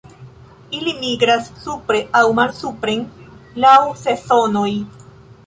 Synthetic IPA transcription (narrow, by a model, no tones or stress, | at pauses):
ilimiɡɾasːupɾe̞ʔawmalsupɾenlawse̞so̞no̞j